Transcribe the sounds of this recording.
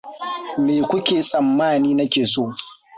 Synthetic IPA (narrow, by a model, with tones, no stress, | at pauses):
meː˨kʷʊ˦kʲeː˨sʼɐ˨mːaː˦˨niː˦nɐ˦kʲeː˨soː˦˨